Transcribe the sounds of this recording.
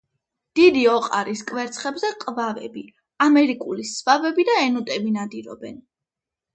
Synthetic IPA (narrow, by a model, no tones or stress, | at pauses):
d̪̥id̪iɔqʼa̰ɾiskʼvɛɾt̪sʰχɛbzɛqʼvavɛ̰bi | amɛɾikʼulisvavɛbid̪aɛnut̪ʼɛbinad̪iɾɔ̰bɛn